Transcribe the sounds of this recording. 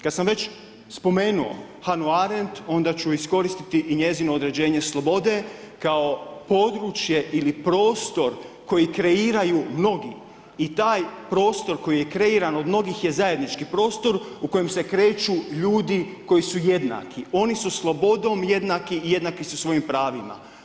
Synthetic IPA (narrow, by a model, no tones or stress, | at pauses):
kad̪samʋe̞t͡ʃ | spo̞me̞ːnuo̞̰ | hanuaɾent̪o̞nd̪at͡ɕuisko̞ɾist̪it̪iʔiɲe̞zinoːd̪ɾe̞d͡ʑe̞ːɲe̞slˠo̞bo̞d̪e̞ | kao̞po̞d̪ɾut͡ʃje̞ʔilipɾo̞ːst̪o̞ɾko̞jikɾe̞iːɾajumno̞ɡḭ | it̪aːjpɾo̞ːst̪o̞ɾko̞jije̞kɾe̞iɾano̞d̪mno̞ɡixje̞zaje̞d̪nit͡ʃkipɾo̞ːst̪o̞ɾuko̞jemse̞kɾe̞ːt͡ʃuʎuːd̪iko̞jisuje̞d̪na̰kʰio̞nisuslˠo̞bo̞d̪o̞mje̞d̪nakiije̞d̪nakisusʋo̞jimpɾaːʋima̰